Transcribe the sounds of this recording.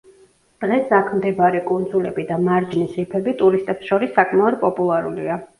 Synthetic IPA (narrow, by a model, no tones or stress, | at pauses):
d̪̥ʁɛsakʰmd̪ɛbaɾikʼund̪zulɛbid̪amaɾd͡ʒnisɾipʰɛbit̪ʼuɾist̪ʼɛpsʃɔɾisːakʼmaɔd̪̚pʼɔpʼulˠaɾulia